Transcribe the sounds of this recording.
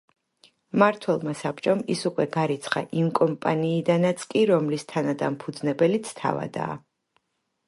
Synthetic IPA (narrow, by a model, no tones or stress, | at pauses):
maɾt̪ʰwɛlˠmasapʼt͡ʃʼɔmḭsukʼwɛɡaɾit̪sʰχa̰ʔimkʼɔmpʼaniːd̪anat̪sʰkʼiɾɔmlist̪ʰanad̪ampʰud̪znɛbɛlit̪sʰt̪ʰa̰va̰d̪a̰ː